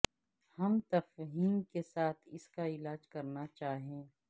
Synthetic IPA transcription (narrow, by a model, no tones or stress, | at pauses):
hɐmt̪ɐfɦiːmkesaːt̪ʰɪskaɪlaːd͡ʒkɐɾnat͡ʃaːɦẽː